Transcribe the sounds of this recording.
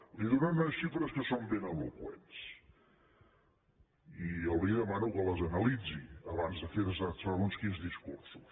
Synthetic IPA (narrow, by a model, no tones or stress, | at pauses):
liðunanɐʃʃifɾəskəsombenəβukwḛns | iəlˠβiðəmanukələzənəlid͡ziəβanzðəfeɾəzasaɾunskinzðiskṵɾsu̥s